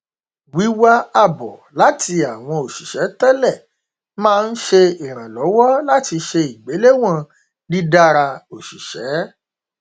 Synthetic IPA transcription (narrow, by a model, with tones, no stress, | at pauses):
wi˨˦wa˦a˦˨bɔ̰˨la˨˦ti˧a˨w̃ɔ̃˧o˨ʃi˨ʃɛ˨˦tɛ˦lɛ˦˨ | mãː˦˧n̩˦ʃe˧i˨ɾ̃ã˨lɔ˨˦wɔ˦la˦ti˧ʃe˧i˨ɡ͡be˨˦le˦w̃ã˦˨ | di˦da˦ɾa˧o˨ʃi˨ʃɛ˨˦